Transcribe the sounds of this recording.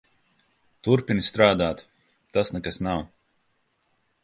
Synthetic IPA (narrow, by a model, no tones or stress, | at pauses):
t̪uɾpinist̪ɾaːd̪aːt̪ | t̪asnɛkasnaw